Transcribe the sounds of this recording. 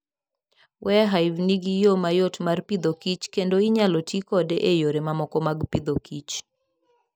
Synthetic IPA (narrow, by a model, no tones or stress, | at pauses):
wʔɛɦaɪvniɡijomajotmarpid̪okit͡ʃkendoiɲalotikɔdeʔejoɾemamɔkɔmaɡpid̪okit͡ʃ